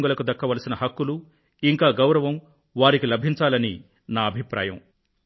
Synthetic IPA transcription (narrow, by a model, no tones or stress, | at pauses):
ŋɡulɐkud̪ɐkːɐʋɐlɐsinɐɦɐkːulu | iŋkaːɡɐwɾɐʋɐm | ʋaːɾikilɐbʱiɲt͡ʃaːlɐni | naːɐbʱipɾa̰ːjɐ̰m